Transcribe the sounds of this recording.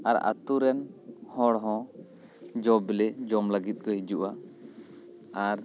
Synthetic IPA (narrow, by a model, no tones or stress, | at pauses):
a̰ɾa̰t̪uɾɛnhɔɽɦɔ̃ | d͡ʒɔblɛd͡ʒɔmlaɡit̪̚ˀkɔɦid͡ʒuʔa | aɾ